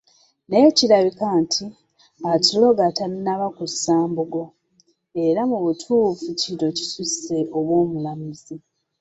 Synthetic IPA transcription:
neciɾaβikaːntʰi | atilo̞ɡataɾinaβakusːaːmbuɡo̞ | e̞ɾamuβutʰuːfuciɾo̞ci̥suse̞ʔoβwo̞ːmulamizi

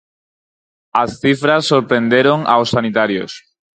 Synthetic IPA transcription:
asθifɾasːoɾpɾẽnd̪eɾoŋa̰wsːanit̪aɾjo̰s

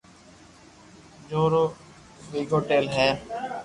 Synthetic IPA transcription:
d͡ʒoːɾoː | ʋiːɡoːʈeːlɦɛː

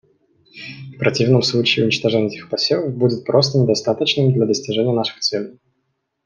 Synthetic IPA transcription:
fpɾɐtʲivnəmslˠut͡ɕɪːʊnʲɪt͡ɕt̪ɐʐɛnʲɪɛtʲɪxpɐsʲelˠəvbudʲɪt̪̚pɾʔo̞s̬t̪ənʲɪd̪ɐst̪at̪ət͡ɕnɨmd̪lʲɐd̪əsʲtʲɪʐɛnʲɪjənaʂɨ̥xt̪sɛlʲɪj

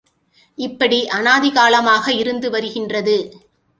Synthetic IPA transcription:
ɪpːɐɽiʔɐnaːðɪɣaːlɐmaːɣɐɪɾɯnd̪ɯʋɐɾɯɣɪndrɐðɯ

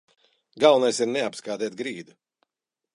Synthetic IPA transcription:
ɡawnajsiɾnɛapskaːd̪ɛːt̪̚ɡɾiːd̪u

